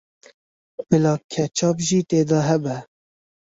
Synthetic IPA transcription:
bɨlɑːkʰɛt͡ʃʰɑːbʒiːt̪eːd̪ɑːɦɛbɛ

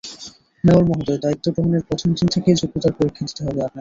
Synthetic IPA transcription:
nebolmɔɦod̪oed̪ait̪ːobɾoɦoneɾpɾot̪ʰomd̪int̪ʰekejd͡ʑuk̚t̪ot̪aɾpoɾikʰːed̪it̪eɦɔbeapna

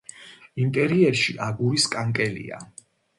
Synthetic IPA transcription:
imt̪ʼɛɾiɛɾʃiʔaɡuɾiskʼaŋkʼɛlḭa̰

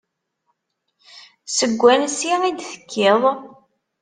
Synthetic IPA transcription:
səɡʷːænsiid̪θə̥kʰːɪðˤ

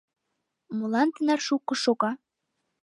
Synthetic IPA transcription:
molɑnt̪ənɑrʃukːɤ̆ʃoɣɑ

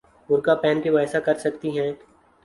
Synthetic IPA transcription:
ʊɾkapɛːnkiʋaːjsakɐɾsɐk̚t̪iɦɛ̃ː

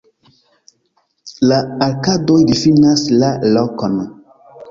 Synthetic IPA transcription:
laaɾkadojdifinãslalɔkɔnã

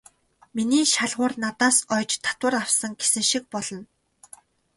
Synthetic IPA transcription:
miniːʃaɮʁʊːrnat̪aːsœːjt͡ɕt̪ʰḁt̪wə̆rawsə̆ŋɡesɘ̆ŋʃik̚pɔɮɞ̆n

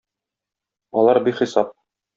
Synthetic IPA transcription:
ɒlˠɑɾbikχisɑp̚

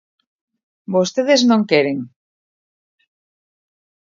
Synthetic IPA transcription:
bost̪eðeznõŋkeɾeŋ

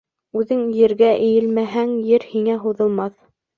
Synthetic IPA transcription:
ʉðɘŋjɘ̆ɾɡæʔɘ̆jɘ̆lmæɦæŋjɘɾhiŋæɦuðɤ̆lˠmɑθ

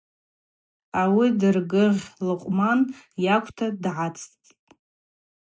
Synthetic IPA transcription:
awidɨrɡɨʁʲlɨqʷʼmanjakʷʰʼtʰadʕat͡sʰʼtʼ

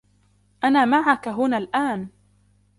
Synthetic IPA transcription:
ʔanaːmaʕakaɦʊnaːlʔaːn

